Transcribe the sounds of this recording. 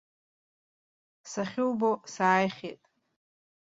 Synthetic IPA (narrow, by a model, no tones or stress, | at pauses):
saχʲɪwbosaːjχʲḛtʼ